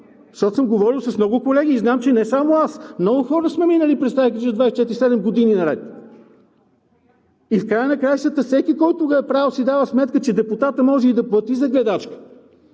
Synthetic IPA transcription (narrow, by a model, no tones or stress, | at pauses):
ʃɔsəmɡovɔɾilˠsɐsmnɔɡʊkolɛɡʲiːznamt͡ʃɛnɛsamoasmnɔɡʊxɔɾəsmɛminəlipɾɛt̪st̪ajkɾiʒəd̪vajsɛt͡ʃɛt̪iɾisɛd̪ɛmɡod̪ininɐɾɛt̪ | ifkɾajənɐkɾajʃt̪ət̪əfsɛkikɔjt̪ʊɡəɛpɾalˠsid̪avəsmɛt̪kət͡ʃɛd̪ɛput̪at̪əmɔʒɛid̪ɐplˠət̪izɐɡlɛd̪at͡ʃkə̥